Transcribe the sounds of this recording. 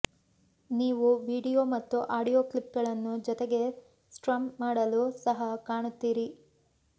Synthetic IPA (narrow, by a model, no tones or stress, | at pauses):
niːʋuʋiːɽijoːmɐt̪ːuʔaːɽijoːklip̚ɡɐɭɐnːud͡ʒɔt̪eɡe̞ | sʈɾɐmmaːɽɐlusɐɦɐkaːɳut̪ːiːɾi